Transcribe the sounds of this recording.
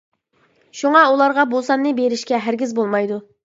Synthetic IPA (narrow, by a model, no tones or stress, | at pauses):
ʃuŋɑulˠɑɾʁɑbolˠsɑnːɨbeɾɪʃkʲɛɦæɾɡʲizbolˠmɑjd̪u